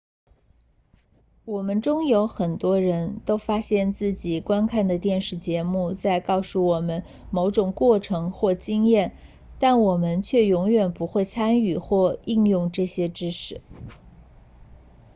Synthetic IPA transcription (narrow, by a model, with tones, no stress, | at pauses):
wɔ˨˩mə˦nʈ͡ʂʊ˥ŋjo˧˥ʊxə˨˩nt̪wɔ˥ɻə˧˥nt̪o˥ʊfa˥ɕjɛ˥˧nt͡sɹ̩˥˩t͡ɕi˨˩kwa˥nkʰa˥˩nd̪ə˩t̪jɛ˥˧nʂɻ̩˥˩t͡ɕjɛ˧˥mu˥˧t͡sa˥˧ɪkɑ˥˧ʊsu˥˩wɔ˨˩mə˦n | mo˧˥ʊʈ͡ʂʊ˨˩ŋkwɔ˥˩ʈ͡ʂʰɤ˧˥ŋxwɔ˥˩t͡ɕi˥ŋjɛ˥˩n | t̪a˥˩nwɔ˨˩mə˦nt͡ɕʰɥɛ˥˩jʊ˧˥ŋɥɛ˨˩npu˧˥xwe˥˩ɪt͡sʰa˥ny˨˩xwɔ˥˧i˥˧ŋjʊ˥˧ŋʈ͡ʂɤ˥˩ɕjɛ˥ʈ͡ʂɻ̩˥ʂɻ̩˥˩˦